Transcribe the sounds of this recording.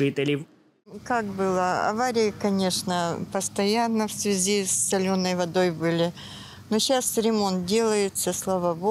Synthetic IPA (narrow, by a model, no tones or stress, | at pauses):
ɨt̪ɨlʲɪ | kakbɨlˠəɐ̰vaɾʲɪjɪkɐnʲe̞ʂnəpəst̪ɐjanːəfsvʲɪzʲisːɐlʲo̞nːəjvɐd̪o̞jbɨlʲɪ | noɕasɾʲɪmo̞nt̪̚dʲe̞lˠəjɪt̪səslˠavəbo